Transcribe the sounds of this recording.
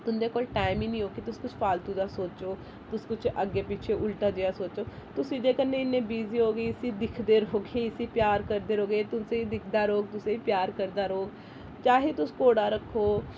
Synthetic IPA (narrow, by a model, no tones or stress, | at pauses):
t̪ʊnd̪eːkoːlʈaːɪmiːnĩːɦoːkit̪ʊskʊt͡ʃʰpaːlt̪uːd̪aːsoːt͡ʃoː | t̪ʊskʊt͡ʃʰəɡeːpiːt͡ʃʰeːʔʊlʈaːd͡ʒeːaːsoːt͡ʃoːt̪ʊsĩːd͡ʒeːkənːẽːɪnːẽːbiːziːɦoːɡiːɪsĩːd̪ɪkʰd̪eːɾɦoːɡeːɪsiːpjaːɾkəɾd̪eːɾoːɡet̪ʊnseːiːd̪ɪkʰd̪aːɾoːɡ̚t̪ʊsẽːiːpjaːɾkəɾd̪aːɾoːɡ | t͡ʃaːɦeːt̪ʊskoːɽaːɾəkʰːoː